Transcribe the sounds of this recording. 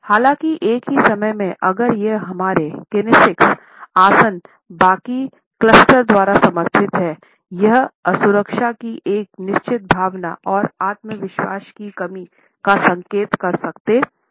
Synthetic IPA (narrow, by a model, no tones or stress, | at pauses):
haːlãːkiʔeːkɦisɐməjmẽʔɐɡəɾjeɦɐmaːɾekɪnɪsɪks | aːsən | baːki | klɐsʈəɾd̪waːɾasɐməɾt̪ʰɪt̪ɦɛː | jɐɦɐsʊɾəkʃakiʔeːknɪʃt͡ʃɪt̪̚bʱaːʋna̰ɔːɾaːt̪məʋɪʃwa̰ːʃkikɐmi | kasɐ̃ŋkeːt̪kɐɾsɐkt̪eː